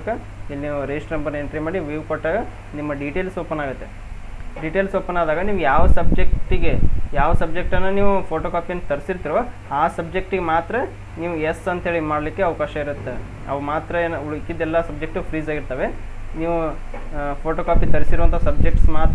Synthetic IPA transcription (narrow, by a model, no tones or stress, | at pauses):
kːɐ | ilːiniːʋuɾesʈɾɐmbɐɾnɐeɳʈɾimaːɽiʋiːʋkoʈːaːɡɐ | nimːɐɖiʈeːlsoːpɐnːaːɡut̪ːe̞ | ɖiʈelsʋoːpɐnaːd̪aːɡɐniːʋujaːʋɐsɐbd͡ʒek̚ʈiɡe̞jaːʋɐsɐbd͡ʒek̚ʈɐnːuniːʋupʰoːʈoːkaːpijɐnːt̪ɐɾisiɾt̪iɾʋɐ | aːsɐb̚d͡ʒek̚ʈiɡemaːt̪ɾɐ | niːʋuesɐnt̪ɦeɭimaːɽɐlikːeɐʋɐkaːʃɐiɾut̪ːe | ɐ̰ʋɐmaːt̪ɾɐeːnɐuɭkːid̪ːɛlːɐsɐb̚d͡ʒek̚ʈupʰɾiːzaːɡiɾt̪ɐʋe̞niːʋu | pʰoːʈokaːpit̪ɐɾisiɾuʋɐnt̪ʰɐsɐbd͡ʒek̚ʈsmaːt̪